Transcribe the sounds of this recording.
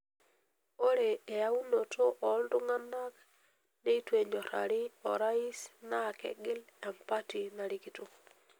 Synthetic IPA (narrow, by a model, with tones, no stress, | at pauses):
o˦ɾe˨e˨ja˦u˦no˨tʰo˦ʔɔ˨ldʊ˦ŋa˦na˦k | ne˦i˦twe˨ɲd͡ʒo˨ɾa̰˨ɾɪ˦ɔ˨ɾa˦i˦sna˦˨kɛ̰˨ɡɪ˦lɛ˨mpa˦ti˨na˨ɾi˦ki˨tu˦